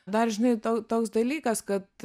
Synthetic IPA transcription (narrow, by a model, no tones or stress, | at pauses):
d̪ɐɾʒʲɪnɐɪt̪oːt̪oːks̬d̪ɐlʲiːkɐskɐt̪